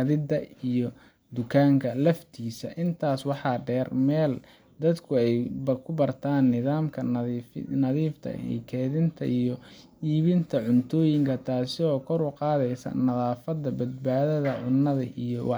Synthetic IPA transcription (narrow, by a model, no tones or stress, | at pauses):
ɐðɪd̪ɐijɔ | d̪ʊkʰaːŋkʰɐlɐft̪ʰiːsɐ̰ʔɪnt̪ʰaːswɑħɑːɖɛːrmɛːl | d̪ɐd̪kʰʊɛjbɐkʰʊbɐrt̪ʰaːnːɪðaːmkʰɐ | nɐðiːft̪ʰɐ̰ɛ̰kʰɛːðɪnt̪ʰɐ̰ʔijɔ | iːβɪnt̪ʰɐʕʊnt̪ʰɔːjɪŋkʰɐt̪ʰaːsɪɔːkʰɔɾʊqɑːðɛjsɐ̰nɐðaːfɐd̪ɐbɐd̪̚baːðɐðɐʕʊnːɐðɐʔijɔwɑ